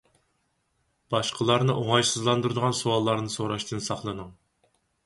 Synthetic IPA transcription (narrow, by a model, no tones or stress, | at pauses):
b̥ɑʃqʰəlˠɑɾnɨʔoŋɑjsɨzlˠɑnd̪uɾɨd̪əʁɑnsuwɑlˠːɑɾnɨsoɾɑʃt̪ʰɨnsɑχlˠɨnɨŋ